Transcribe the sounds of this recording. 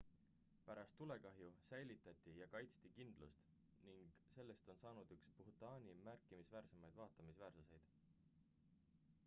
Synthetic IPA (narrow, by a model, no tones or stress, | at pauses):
pæɾɑst̪ːule̞kɑɦjusæjlit̪ːˑɑt̪ʲːˑijɑkɑjt̪st̪ikind̪̥lṵst̪ | niŋɡ̥se̞lːe̞st̪o̞nsɑːnud̪̥ykspuht̪ˑɑːnʲimærkːˑimisvæːɾse̞mɑjd̪̥vɑːt̪ːˑɑmisvæːrsuse̞jd̪̥